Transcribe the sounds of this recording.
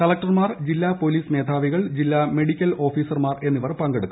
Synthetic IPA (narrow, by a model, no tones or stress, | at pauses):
kɐlɐk̚ʈɐrmaːrd͡ʑilːapoliːsme̞ːd̪ʱaːʋiɣɐɭd͡ʑilːame̞ɽikʲːɐlo̞ːfiːsɐrmaːre̞nːiʋɐrpɐŋɡeɽukːu̥